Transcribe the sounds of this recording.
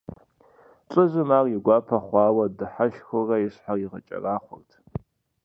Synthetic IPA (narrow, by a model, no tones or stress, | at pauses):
t͡ʃʷʼɨzɨmaːriɡʷɑːpʰɐχʷɑːwɐdɨħaʃxʷʊrɐjɪɕħajiʁɐ̰t͡ʃʼɐ̰raːχʷʊrtʰ